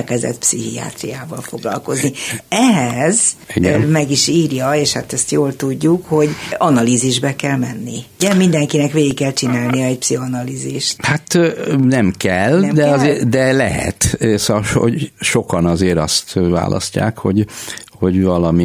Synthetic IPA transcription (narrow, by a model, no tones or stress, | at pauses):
lkɛzɛ̰t̪psiɦija̰ːt̪rijaːvɒlfo̞ɡlɒ̰lko̞zniɛɦɛzɛɟmɛɡiʃiːrjɒeːʃhat̪ɛst̪joːlt̪uɟːukho̞ɟɒnɒliːziʒbɛkɛlmɛnːiuɟɛmind̪ɛŋkinɛkʋeːɡikːɛlt͡ʃinaːlnijɒɛcpsiɦonɒliːziʃt̪hat̪nɛmkɛld̪ɛɒzeːd̪ɛlɛɦɛ̰t̪sɒʃo̰ɟʃo̞kɒnɒzeːɾɒst̪va̰ːlʔɒ̰sca̰ːkho̞ɟho̞ɟvɒlɒmi